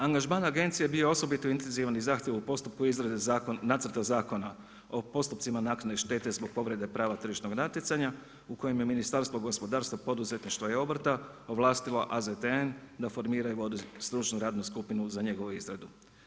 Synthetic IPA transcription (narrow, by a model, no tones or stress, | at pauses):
aŋɡaʒmanaɡe̞nt̪sijebio̞o̞so̞bit̪oint̪enziʋanizaːxt̪jeʋupost̪up̚kuizɾad̪naːt̪srt̪azaːko̞na | o̞po̞st̪up̪simanaknaleʃt̪e̞t̪e̞zbo̞ɡ̚po̞ʋɾe̞d̪epɾaːʋat̪r̩ʒiʃt̪no̞ɡnat̪jet̪saɲa | uko̞jemje̞minist̪aɾst̪ʋoɡo̞spo̞d̪aːɾst̪ʋopo̞d̪uzet̪niʃt̪ʋojeo̞br̩t̪a | oʋlˠaːst̪ilo̞ʔazet̪eend̪afo̞ɾmiːɾajuʋo̞d̪ust̪ɾut͡ʃnuɾaːd̪nuskupinuzaɲe̞ɡo̞ʋuizɾad̪u